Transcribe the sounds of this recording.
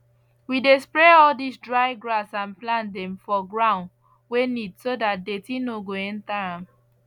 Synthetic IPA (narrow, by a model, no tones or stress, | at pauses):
widespɹeɔldisdɹaɪɡɹasãnplãndɛ̃mfɔɡɹãʊ̃n | wenidsodat̚detĩnoɡoɛ̃ntaãm